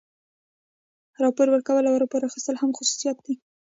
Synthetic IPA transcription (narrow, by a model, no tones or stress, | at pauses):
ɾɑpoɾwəɾkawəlawəɾapoɾaxist̪əlhamxʊsu̥sijɑt̪̚d̪e